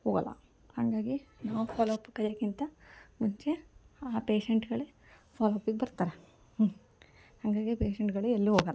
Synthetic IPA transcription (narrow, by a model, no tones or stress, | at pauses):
hoːɡɐ̰lːɐ̰ | hɐŋɡaːɡinaːʋupʰaːloɐpːukɐɾjɐːkint̪ɐmuɲt͡ʃe̞aːpe̞ːʃeɳʈɡɐɭe | pʰaːloɐpːiɡbɐɾt̪aːɾe | hɐŋɡaːɡipeːʃeɳʈɡɐɭeelːuɦoːɡɐlː